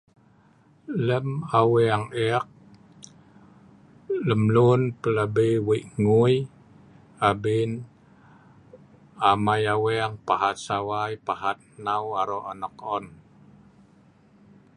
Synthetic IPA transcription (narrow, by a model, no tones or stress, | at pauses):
ləmaweaŋɛak̚ | ləmlunpələbəjwiʔŋuj | abin | amajaweaŋpahat̪̚sawajpahat̪̚nawaɾoʔanɔkɔn